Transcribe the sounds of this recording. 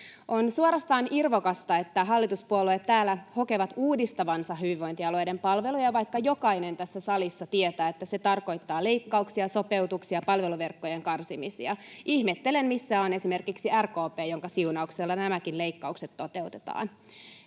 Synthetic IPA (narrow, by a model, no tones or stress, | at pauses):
ʔo̞nsuoɾɑst̪ɑːnʔirʋokɑst̪ɑe̞t̪ːæɦɑlːit̪uspuoluet̪tæːlːæho̞keʋɑt̪uːdist̪ɑʋɑnsɑhɦyiʋo̞int̪iɑlo̞jdempɑlʋe̞lujɑʋɑjkːɑjo̞kɑine̞nt̪æsːæsɑlisːɑt̪iet̪æːe̞t̪ːæse̞t̪ɑrko̞jt̪ːɑːle̞ikːɑuksiɑso̞pe̞wt̪uksiɑpɑlʋe̞luʋe̞rkːojeŋkɑrsimisḭɑihmet̪ːelemmisːæːonesime̞rkiksiærko̞ːpeːjo̞ŋkɑsiunɑukselːɑnæmækinle̞ikːɑukset̪ːo̞t̪e̞ut̪e̥t̪ɑ̰ːn